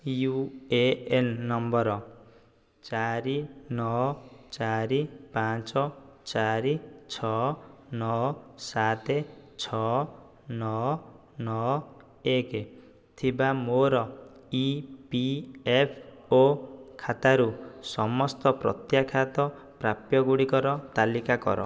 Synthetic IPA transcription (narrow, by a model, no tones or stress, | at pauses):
jueenːɔmbɔɾɔ | t͡ʃaɾinɔt͡ʃaɾipãt͡ʃɔt͡ʃaɾit͡ʃʰɔnɔsat̪et͡ʃʰɔ | nɔ | nɔ | ek | t̪ʰibamoɾɔipiepʰokʰat̪aɾusɔmɔst̪ɔpɾɔ̰t̪jakʰat̪ɔ | pɾapjɔɡuɽikɔɾɔt̪alikakɔ̰ɾɔ̰